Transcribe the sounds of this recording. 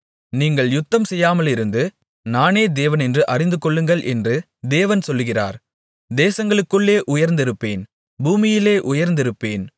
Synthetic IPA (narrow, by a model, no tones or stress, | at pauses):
niːŋɡɐɭjʊt̪ːɐmsɛjːaːmɐlɪɾɯnd̪ɯ | naːneːd̪eːʋɐnɛndrɯʔɐrɪnd̪ɯkːɔɭːɯŋɡɐɭʔɛndrɯ | d̪eːʋɐnsɔlːɯɣɪra̰ːɾ | d̪eːsɐŋɡɐɭɯkːɯɭːeːʔʊjɐɾnd̪ɪɾɯpːḛːn | buːmɪjɪleːʔʊjɐɾnd̪ɪɾɯpːeːn